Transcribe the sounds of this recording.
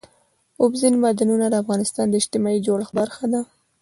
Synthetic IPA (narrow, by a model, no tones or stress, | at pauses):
ʊbzinmad̪anunad̪əafɣɑnɪst̪ɑnd̪əɪd͡ʒt̪ɪmɑid͡ʒoɽxbaɾxad̪a